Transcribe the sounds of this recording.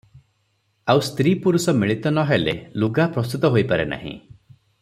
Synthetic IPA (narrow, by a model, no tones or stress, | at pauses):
awst̪ɾipuɾusɔmiɭit̪ɔnɔɦelḛluɡapɾɔst̪ut̪ɔɦojpaɾena̰ɦḭ̃